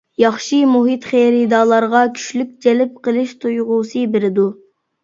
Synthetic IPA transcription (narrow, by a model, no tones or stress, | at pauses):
jɑχʃimuɦit̪χeɾɪd̪ɑːlˠɑɾʁɑkʲʰy̥ʃlyk̚ʲd͡ʒɛlɪp̚qəlˠɨʃt̪ʰujʁuːsɨbeɾɪd̪u